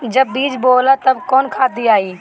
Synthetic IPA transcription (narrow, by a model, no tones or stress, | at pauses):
d͡ʒɐbːiːd͡ʒboːlat̪ɐbkɔːnkʰaːd̪iaːiː